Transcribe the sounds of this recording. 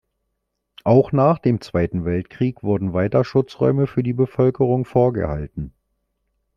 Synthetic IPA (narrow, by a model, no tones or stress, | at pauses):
ʔaʊxnaːχd̥eːmt͡sv̥aɪtn̩vɛltkʁ̥iːkv̥ʊɐdn̩vaɪtɐʃʊt͡sʁɔ̰ʏməfyːɐdiːbəfœlkəʁ̞ʊŋfoːɐɡə̰ha̰ltn̩